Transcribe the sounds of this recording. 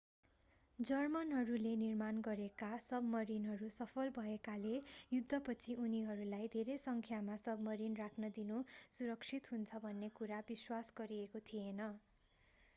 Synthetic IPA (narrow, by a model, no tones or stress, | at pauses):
d͡zʌrmʌnɦʌɾulenirmanɡʌɾekasʌbmʌɾinɦʌɾusʌpʰʌlbʱʌekalejud̪ʱːʌpʌt͡sʰiuniɦʌɾulajd̪ʱeɾejsʌŋkʰjamasʌbmʌɾinrakʰnʌd̪inusuɾʌkt͡sʰit̪ɦunt͡sʰʌbʱʌnːekuɾabiswasɡʌɾiekot̪ʰienʌ